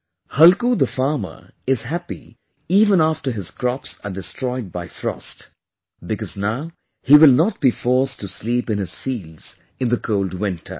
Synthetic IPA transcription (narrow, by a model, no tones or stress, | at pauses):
hʌlkud̪əfɑɹmə̰˞ɪz̥hæpḭ | iːvə̃næftə˞ɦɪz̥kʰɹɔpsədɨstʰɹ̥ɔɪd̚baɪfɹɔ̰st | bɨkɔznaʊ | hiwɪlˠnɔt̚b̥ifɔɹstuslipɨ̃nɨz̥fiːlz̥ | ɨ̃nðəkʰoʊldwɪ̃ntʰə̰˞